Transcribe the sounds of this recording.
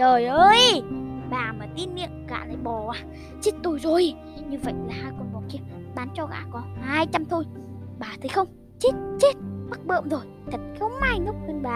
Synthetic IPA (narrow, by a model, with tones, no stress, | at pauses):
zoː˨˩jʔəː˧jɓaː˨˩maː˨˩t̪i˧nːḭ˧˨əmɣa̰ː˧˨laː˨˩jɓɔ˨˩waː˨˧˦ | t͡ɕe˦˥t̚t̪o˧˩jzo˨˩j | ɲɨ˧və̰˧˨jlaː˨˩haː˧jkɔ˧nɓɔ˨˩ki˧ə | ɓaː˨˦nt͡ɕɔ˧ɣa̰ː˧˩kɔ˨˦haː˧jt͡ɕa˧mt̪ʰo˧j | ɓaː˨˩t̪ʰə˨˦jxə˧wŋ͡m | t͡ɕe˦˥t̚t͡ɕe˦˥t̚ɓə˦˥k̚ɓə̰˧˨mzo˨˩j | t̪ʰə˨˩t̚xə˧wŋ͡mhaː˧jnɨ˦˥k͡p̚kə˧nɓaː˨